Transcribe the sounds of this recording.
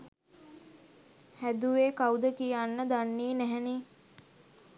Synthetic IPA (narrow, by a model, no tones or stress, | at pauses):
hæd̪uʋeːkaud̪əkijanːəd̪anːiːnæɦɛni